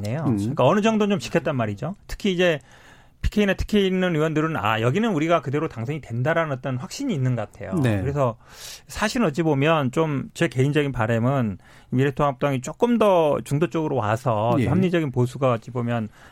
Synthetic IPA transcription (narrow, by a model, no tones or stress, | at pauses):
ɲe̞jok͈aʌnɯd͡ʑʌŋdot͡ɕomɕʰi̥kʰet͈anmaɾid͡ʑotʰɯ̥kʰiːd͡ʑe̞ | pʰi̥kʰeinetʰɯ̥kʰeinːɯnɥiwʌndɯɾɯna̰jʌɡinɯnuɾiɡakɯde̞ɾotaŋsʰeŋitwendaɾanɯnʌt͈ʌnɸwak̚ɕ͈iɲiːnːɯnɡʌk͈atʰe̞̰jo̰ekɯɾe̞s̬ʰʌsʰaɕʰiɾɯnʌt͡ɕ͈ibomjʌnt͡ɕomt͡ɕe̞ke̞ind͡ʑʌɡinpaɾemɯn | imiɾetʰohap̚t͈aŋit͡ɕ͈ok͈ɯmdʌt͡ɕuŋdot͡ɕ͈ʌɡɯɾowa̰sʰʌehamɲid͡ʑʌɡinpos̬ʰuɡaʌt͡ɕ͈ibomjʌn